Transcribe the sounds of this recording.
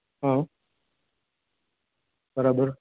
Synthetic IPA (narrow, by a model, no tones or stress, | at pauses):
ɦã | bəɾaːbəɾ